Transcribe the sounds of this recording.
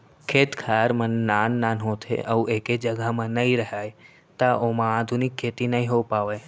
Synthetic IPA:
kʰeːt̪kʰaɾmənːaːnːaːnɦõt̪ʰḛʔəuʔeːked͡ʒəɡəmãnəĩɾəɦaːj | t̪aʔomãaːd̪ʱunɪkʰːeːt̪inəĩɦopaːʋeː

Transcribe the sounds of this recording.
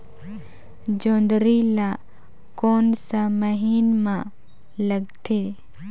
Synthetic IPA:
d͡ʒõːnd̪ɾila | koːnsaməɦiːnmã | ləɡt̪ʰeː

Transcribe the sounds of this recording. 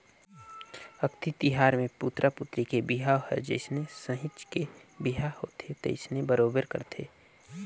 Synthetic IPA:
əkt̪it̪iɦaːɾmẽput̪ɾʔapʊt̪ɾikebiɦaːɦɛ̰d͡ʒḛɪsnesəɦɪt͡ʃkebiɦahoːt̪ʰet̪ḛɪsnebəɾoːbəɾkə̰ɾt̪ʰeː

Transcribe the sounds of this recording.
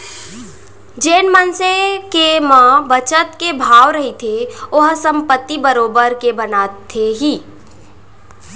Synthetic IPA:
d͡ʒeːnmənsekemãbət͡ʃət̪kebʱaːʋɾɐɦit̪ʰeʊɦsə̃mpət̪ːibəɾoːbəɾkebənaːt̪ʰːeɦiː

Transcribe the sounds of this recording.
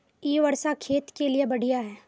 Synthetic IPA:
iːʋɐɾsakʰeːt̪keliebɐɽ̤ʱijaɦɛː

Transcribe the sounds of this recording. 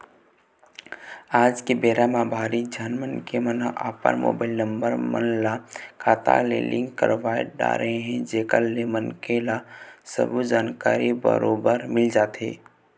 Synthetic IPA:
aːd͡ʒkebeːɾamãbʱaːɾid͡ʒaːnmənkemənʔa̰ːpə̰ɾmo̰ːbaːɪlnə̃mbəɾmə̰nlakʰaːt̪a̰lḛlʔɪ̃ŋɡkəɾoʋaːɪɖa̰ːɾəɦeɦɛ̃d͡ʒeːkəllːemənkelasə̰bud͡ʒaːnkaːɾibə̰ɾoːbəɾmɪld͡ʒaːt̪ḛː

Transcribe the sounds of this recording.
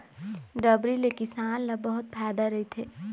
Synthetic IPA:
ɖɐbɾilekɪsaːnlɐbɐɦʊt̪̚pʰaːjd̪aɾɐɦit̪ʰeː

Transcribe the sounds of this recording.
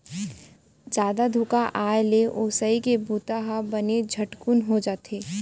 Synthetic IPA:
d͡ʒaːd̪ad̪ʱʊkaʔaːjleʔoːsəikebuːt̪aɦabɐned͡ʒʱɐʈkunɦod͡ʒaːt̪eː

